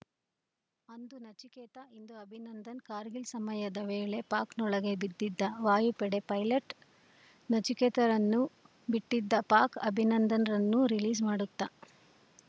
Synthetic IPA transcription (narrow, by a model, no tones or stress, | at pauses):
ɐnd̪unɐt͡ʃikɛːt̪ɐind̪uɐbʱinɐnd̪ɐnkaːɾɡilsɐmɐjɐd̪ɐʋeːɭepaːknɔɭɐɡe̞bid̪ːid̪ːɐʋaːjupɛɽe̞pɐjlɐʈ | nɐt͡ʃikɛːt̪ɐɾɐnːu | biʈːid̪ːɐpaːɾkɐbʱinɐnd̪ɐnɐɾɐnːuɾiliːzmaːɽut̪ːa